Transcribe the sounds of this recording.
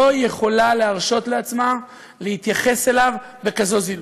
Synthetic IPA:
oje̞χo̞laleaʁʃo̞t̪leat͡sma | lehit̪jaχe̞se̞lav | be̞kazo̞zil

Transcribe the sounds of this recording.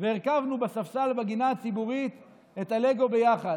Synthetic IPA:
veeʁkavnubesafsalbeɡinaːt͡sibuʁit̪ | et̪ale̞ɡo̞bejaχad

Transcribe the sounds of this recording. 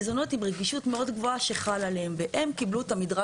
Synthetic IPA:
zo̞no̞timʁeɡiʃutmeo̞dɡvo̞aʃe̞χalaleemveʔemkibluetamidʁa

